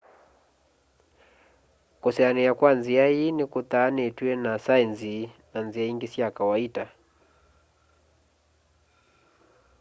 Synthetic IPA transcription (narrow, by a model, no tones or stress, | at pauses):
kusɛanijakwanziainikut̪aːnituɛnasainzinanziaiŋɡisiakawaita